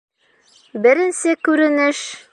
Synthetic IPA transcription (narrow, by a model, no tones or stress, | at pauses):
bɘ̆ɾɘ̆nsɘkʉɾɘ̆nɘʃ